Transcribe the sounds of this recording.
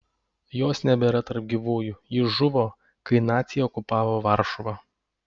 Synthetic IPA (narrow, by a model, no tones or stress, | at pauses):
joːsnʲɛbʲɛɾɐt̪ɐɾp̚ɡʲiʋuːjuːjɪʒʊʋoː | kɐɪnɑːt̪sʲɪjɛɔkʊpɑːʋoːʋɐɾʃʊʋɑ